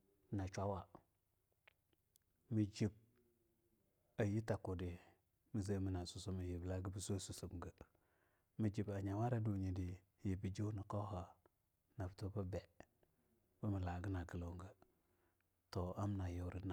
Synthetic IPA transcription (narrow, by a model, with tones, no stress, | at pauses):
na˨t͡ʃʷa˦wa˨ | mi˨d͡ʒi˨b̚ | a˨ji˦ta˨ku˨di˨ | mi˨zə˦mi˨na˨su˨su˦mə˨ji˨bla˦ɡə˦bə˦so˦su˨su˨kŋɡə˨ | mi˨d͡ʒi˨ba˨ɲa˨wa˦ɾa˦du˨ɲi˨di˨ | ji˨bi˨d͡ʒu˦nə˨ko˦ha˨ | na˨ftu˦bə˦be˨ | b̥ə˦mə˨la˨ɡə˦na˨ɡə˨lo˨ŋɡə˦ | to˨a˦m˦na˨jo˨ɾi˦na˨